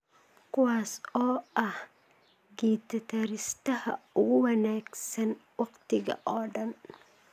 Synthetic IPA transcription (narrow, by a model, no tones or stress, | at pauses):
kʰʊwaːsɔːʔɐh | ɡiːt̪ʰɐt̪ʰɐɾɪst̪ɐhɐ̰ʊɣʊwɑnaːɡsɐnwɑqt̪ʰɪɣɐ̰ʔɔːɖɐn